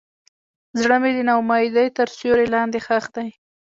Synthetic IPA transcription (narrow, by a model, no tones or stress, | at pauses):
zɽəmed̪ənawmɑjd̪əjt̪əɾsoɾelɑnd̪exaxd̪aj